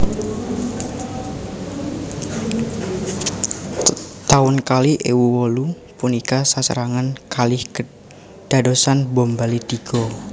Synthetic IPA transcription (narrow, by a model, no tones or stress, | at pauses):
t̪aʊnkaliʔewuwɔlu | punikasasə̰ɾaŋankalɪh | d̥adosanbɔmbalit̪iɡ̥ɔ